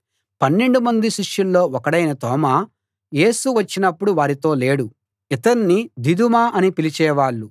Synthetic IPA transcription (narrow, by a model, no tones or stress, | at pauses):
pɐnːeɳɖumɐnd̪iʃiʂjulːo̞ːɔkɐɽɐjnɐt̪ɔːmaː | je̞ːsuʋɐt͡ʃːinɐpːuɽuʋaːɾit̪o̞ːle̞ːɽu | it̪ɐɾnid̪id̪umaːʔɐnipilit͡ʃɛːʋaːɭːu